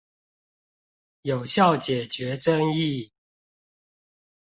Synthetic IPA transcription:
jo˨˩ʊɕjɑ˥˨ʊt͡ɕjɛ˨˩t͡ɕɥɛ˨˦ʈ͡ʂə˦ŋi˥˨

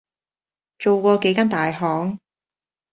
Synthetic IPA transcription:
t͡ʃo˨˧wkʷɔː˧ke˨˥jkaː˥nt̪aː˨jɦɔː˨˥ŋ

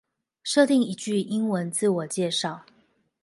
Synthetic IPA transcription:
ʂɤ˥˧t̪i˥˩ŋi˧˥t͡ɕy˥˧i˥nwə˧˦nt͡sɹ̩˥˩wɔ˨˩t͡ɕjɛ˥˧ʂɑ˥˩ʊ

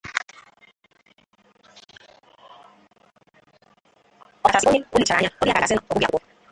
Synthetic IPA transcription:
ɔ˦˨a˨si˨˦o˦ɲi˦o˦li˨t͡ʃa̰˨˦ɲa˦o˦i˦a˨a˨si˦nɔ˨ɔ˨bu˦ɡa̰˨kʷɔ˦

